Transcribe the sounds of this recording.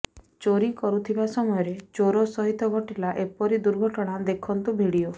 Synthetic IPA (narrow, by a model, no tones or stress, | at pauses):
t͡ʃoɾikɔɾut̪ʰibasɔmɔjɔɾet͡ʃoɾosɔɦit̪ɔɡʱɔʈilaʔepɔɾid̪uɾɡʱɔʈɔɽ̃ad̪ekʰɔnt̪ubʱiɽio